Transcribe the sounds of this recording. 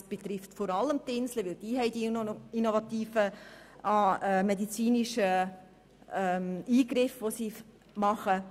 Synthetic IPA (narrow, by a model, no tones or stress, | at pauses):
sb̥et̪ɾɪft̪fɔɾɑləmt̪ɪnsləʋɪld̥iːɦɛɪdiinovɑt̪iːfəʔɑːɛmɛdit͡siːniʃə | ɛmiːɡɾɪfʋosi | mɑχə